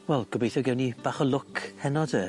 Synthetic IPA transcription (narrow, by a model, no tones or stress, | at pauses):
wɛlˠɡ̥ɔbejθɔɡɛwnib̥aːχəlˠʊkʰhɛnɔdə